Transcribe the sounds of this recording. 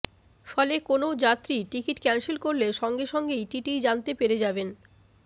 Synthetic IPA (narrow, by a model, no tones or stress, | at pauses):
fɔlekonod͡ʑat̪ːɾiʈikiʈkɛnsilkoɾleʃɔŋɡeʃɔŋɡejʈiʈijd͡ʑant̪epeɾed͡ʑaben